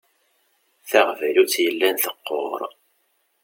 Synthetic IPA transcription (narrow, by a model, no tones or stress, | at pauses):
θæʁvælut͡sːjəlːænθəqːo̰ɾˤ